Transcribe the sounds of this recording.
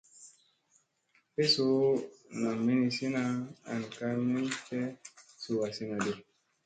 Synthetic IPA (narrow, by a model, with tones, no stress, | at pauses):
pe˦so˦na˨me˦ni˧si˦na˦a̰˨n˨ka˦mi˦nfe˦su˨wa˨si˦na˨de˨